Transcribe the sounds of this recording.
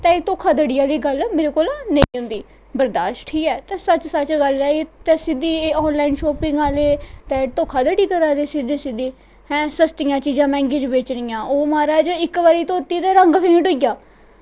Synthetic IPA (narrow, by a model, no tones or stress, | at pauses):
t̪ɛ̃ːeːt̪oːkʰaːd̪əɽiːaːliːɡəlmeːɾeːkoːlanẽĩːɦʊ̃nd̪iː | bəɾd̪aːʃʈʰiːkɛːt̪ɛ̃ːsət͡ʃsət͡ʃɡəlɛːet̪ɛːsɪd̪iːeːɔːnlaːinʃɔːpɪ̃ŋɡaːleːt̪ɛ̃ːt̪oːkʰːaːd̪əɽiːkəɾaːd̪eːsɪd̪iːsɪd̪iː | hɛ̃ːsəst̪ɪjãːt͡ʃiːzãːmɛ̃ːŋɡeːd͡ʒbeːt͡ʃɾɪjãːʔoːmaːɾaːd͡ʒɪkːʋaːɾiːt̪õːt̪iːt̪ɛ̃ːɾəŋɡpʰĩːʈʊjaː